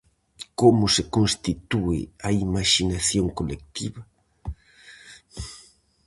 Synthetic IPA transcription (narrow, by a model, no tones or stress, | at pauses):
komʊsekonst̪it̪uɪ̰aimaʃinaθjoŋkolek̚t̪ḭβa